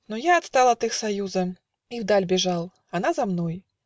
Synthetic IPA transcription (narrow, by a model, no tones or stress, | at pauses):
nɔjaːt̪st̪alˠɐt̪ɨxsajuzɐ | iwd̪alʲbʲɛʐalˠ | anazamnɔj